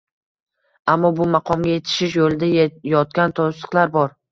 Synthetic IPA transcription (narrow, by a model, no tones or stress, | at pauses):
amːɒbʊmɑqʰɒmɡʲaje̞t̪ʰɪ̥ʃɪʃjolɪd̪ajɒt̪̚kʲant̪ʰosɨ̥qlˠaɾbɒɾ